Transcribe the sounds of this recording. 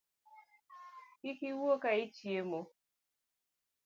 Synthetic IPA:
kikiwuokait͡ʃiemo

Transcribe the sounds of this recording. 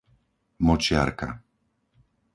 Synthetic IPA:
mɔt͡ʃɪa̰ɾka̰

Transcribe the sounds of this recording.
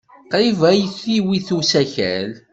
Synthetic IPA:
qɾivæjəçθiwiθusæçæ̰l

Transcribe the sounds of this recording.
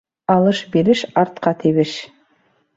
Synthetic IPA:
ɑlˠɤʃbeɾɘʃɑɾt̪̚qɑt̪ʰiβɘʃ

